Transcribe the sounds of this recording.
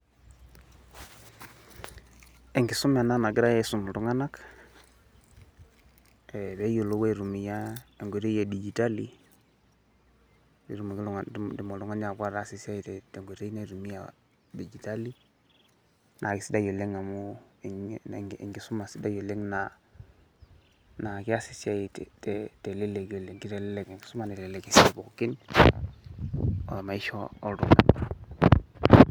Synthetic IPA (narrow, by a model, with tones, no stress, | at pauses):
e˨ŋɡi˨su˦ma˨na˦na˨ɡi˦ɾa˦je˦su˨m˨lu˦ŋa˦na˦k | e˨be˦jo˨lo˦we˦˨ɾu˨mi˨ja˦e˨ŋɡʷe˨ɾe˦ja˨di˨d͡ʒi˨ta˦li˦ | e˨ɾu˦m˨ɡladi˨mo˨lu˨ŋa˦n˦a˨ka˦ɾa˦si˦si˦a˦˨te˨te˨ŋɡe˨ɾe˦i˦na˦˨ɾu˨mi˦ja̰˨ | de˨d͡ʒi˨ta˦li˦ | nʔa˨ki˨si˦da˦jo˨le˦ŋa˨mu˦˨ | ḭ˨ŋɡi˨su˦ma˨si˦da˦jo˨le˦ŋna˨ | na˨ki˦a˦si˨si˦a˦ji˨tte˨te˨le˦le˨kjo˨le˨ŋki˦te˨le˦le˨ke˨ŋɡi˨su˦ma˨ne˨ɾe˦le˨ki˨si˦˨bo˨kki˦n | o̰˨ma˨i˦ʃoː˦˨ɾṵ˨ma̰˨